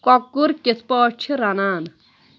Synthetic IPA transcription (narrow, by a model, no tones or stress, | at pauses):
kɔkːuɾkispɔːt͡ʃʰiɾanaːn